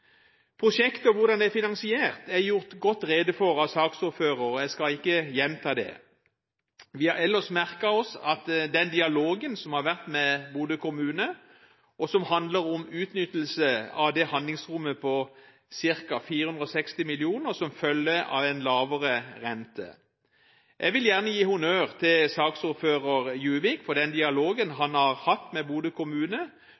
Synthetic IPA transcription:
pʰʁʊʂɛkt̪əɔʋʊʁd̪ɑnd̪ɛæfɪnɑnsɪeːʁt̪ɛjʊʁt̪ɡɔt̪ːʁeːd̪əfɔɾɑʋsɑːksʊɾføːɾəjæɪskɑɪkːəjɛnt̪ʰɑːd̪ɛ̰ | ʋɪhɑɾɛlːəsmæʁkɑɔsɑt̪d̪ɛnd̪ɪɑloːɡənsɔmhɑɾʋæʁt̪mɛbuːd̪əkʰʊmʉːnə | ʔɔsɔmhɑnd̪ləɾɔmʉːt̪nʏt̪ːəl̩səɑʋd̪ɛhɑnd̪lɪŋsʁʊmːəpʰɔ | sɪʁkɑfiːɾəhʉnd̪ɾɔsɛkst̪ɪmɪlɪuːnəʁsɔmfœlːəɑ̰ʋɛnlɑːʋəʁəʁɛnt̪ə̰ | jʔɛɡʋɪljæʁnəjiːhʊnøːʁt̪ʰɪlsɑːksʊɾføːʁəʁjʉːʋɪkfɔʁd̪ɛnd̪ɪɑloːɡənɦɑnhɑʁhɑt̪ːmɛbuːd̪əkʰʊmʉːnə

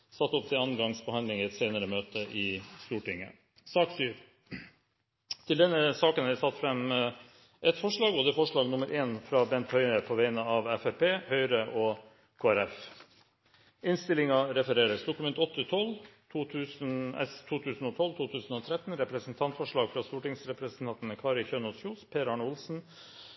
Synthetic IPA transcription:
sɑt̪ːɔp̚t̪ʰɪlɑnɡɑŋsbəhɑnd̪ɪŋɪɛt̪seɪnəɾəmøːt̪əʔɪst̪uːʈɪŋːə̰ | sɑːksyːɾ | t̪ʰɪld̪ɛnːəsɑːkənhæsɑt̪ːfɾɛm | ʔɛt̪fɔʂɭɑːɡɔd̪ɛfɔʂɭɑːɡnʊməɾʔeːnfɾɑːbɛnt̪hœʏnəpʰɔʋæɪnəɑʋɛfæɾpeːhœʏɾəʔɔː | kʰoːæɾɛf | ɪnst̪ɪlɪŋɑɾɛfəɾeːɾəsd̪ʊkʉmɛnt̪ɔt̪ːət̪ʰɔlt̪ʰuːt̪ʰʉːsnɛ̰st̪ʰuːt̪ʰʉːsn̩ɔːt̪ʰɔlːt̪ʰuːt̪ʰʉːsən̩ɔːt̪ʰɾɛt̪ːnɾɛpɾəsnt̪ʰɑnt̪fɔʂɭɑːɡfɾɑst̪uːʈɪŋsɾɛpɾəsnt̪ʰɑnt̪nəkʰɑːɾɪçøːnɔsjuːspʰeːɾɑːɳʊlsn̩

